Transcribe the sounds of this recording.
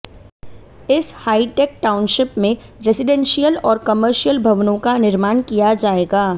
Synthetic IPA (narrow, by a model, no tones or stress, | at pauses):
ɪshaːiʈeːk̚ʈaːʊnʃɪpmẽ | ɾɛsɪɖɛ̃nʃijəlɔːɾkɐməɾʃijəlbʱɐʋnõkanɪɾmaːɳkijad͡ʒaːeːɡaː